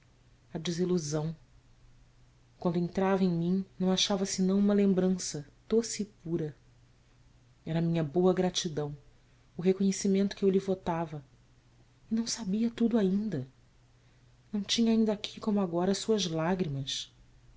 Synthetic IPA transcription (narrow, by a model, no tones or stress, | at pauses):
ɐd͡ʒiziluzɐ̃w̃ | kwɐ̃nd̪ʊẽnt̪ɾavɐẽj̃mĩnɐ̃w̃aʃavɐsɪnɐ̃w̃ũmɐlẽmbɾɐ̃sɐd̪̥osiːpuɾɐ | ɛɾɐmĩɲɐboɐɡɾat͡ʃid̪ɐ̃w̃ | ʊɦekoɲesimẽnt̪ʊ̥kɪewlɪvot̪avɐ | ɪnɐ̃w̃sabiɐt̪ud̪ʊaĩnd̪ɐ | nɐ̃w̃t͡ʃĩɲɐaĩnd̪akʰi̥kõmʊaɡɔɾɐsuɐzlaɡɾimɐs